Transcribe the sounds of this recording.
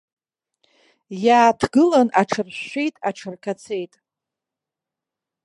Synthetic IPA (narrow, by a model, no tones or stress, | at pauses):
jaːtʰɡɨlanaʈ͡ʂʰɨrɕʃejtʼaʈ͡ʂʰɨrkʰat͡sʰe̞jtʼ